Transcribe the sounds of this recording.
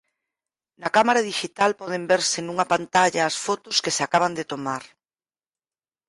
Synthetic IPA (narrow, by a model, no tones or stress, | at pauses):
nɐkamaɾaðiʃit̪alpɔð̞embeɾsenuŋɐpant̪aʎaːsfot̪ʊskesakaβ̞and̪et̪omaɾ